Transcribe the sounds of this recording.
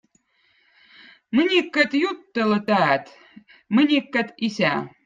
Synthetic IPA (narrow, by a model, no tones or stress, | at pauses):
mɨnʲikːat̪jut̪ːɤlɤ̆t̪æt̪ | mɨnʲikːat̪isʲæ